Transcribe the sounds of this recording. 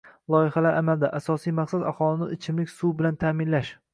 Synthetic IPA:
lˠɒjɪhalaɾʔamald̪aʔasɒsijmaqsad̪a̰hɒlˠɪnɪɪt͡ʃʰɪmlɪkʲsuwbɪlant̪ʰaːmɪnlaʃ

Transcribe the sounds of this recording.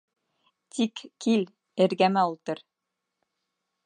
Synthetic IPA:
t̪ʰikkil | ɘ̆ɾɡæmæulˠt̪ɤɾ

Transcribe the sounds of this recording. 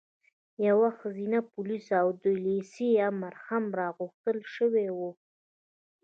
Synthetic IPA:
jawaxəzinapʊlisawd̪ojlesiamaɾhamɾɑɣuxt̪əlʃəwewu

